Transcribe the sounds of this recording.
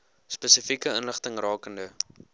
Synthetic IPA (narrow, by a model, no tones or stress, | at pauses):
spəsəfikəənləχtəŋrɑːkəndə